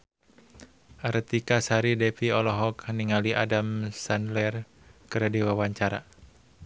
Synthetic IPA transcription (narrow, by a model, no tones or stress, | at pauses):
ʔaɾt̪ikasaɾidɛfiɔlɔɦɔkniŋaliʔa̰damsanlɛr | kəɾadiwawaɲt͡ʃaɾa